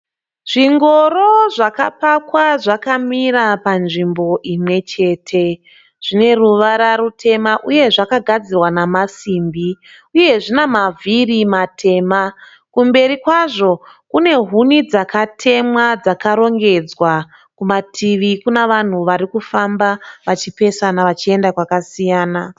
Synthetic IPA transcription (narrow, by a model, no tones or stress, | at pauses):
ʐ̥iŋɡo̞ro̞ʐaka̰pakwaʐakamiɾapanʐimbo̞ʔimwe̞t͡ʃe̞ːtʰe̞ | ʐ̥ine̞ruʋaɾaɾutʰe̞maʔuje̞ʐakaɡʱad͡zirwanamasiːmbi | uje̞ʐinamavʱirimatʰe̞ːma | kumbe̞ɾikwaʐo̞kune̞ɦunid͡zakatʰe̞mwad͡zakaɾo̞ŋɡe̞d͡zwa | kumatʰiʋikuneʋan̤uʋaɾikufambaʋat͡ʃipe̞sanaʋat͡ʃie̞ndakwakasijaːna